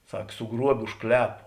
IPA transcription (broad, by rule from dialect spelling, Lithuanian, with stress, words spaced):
ˈsɐk sʊˈɡruɔbʲeː ʊʃ ˈklʲæːpʊ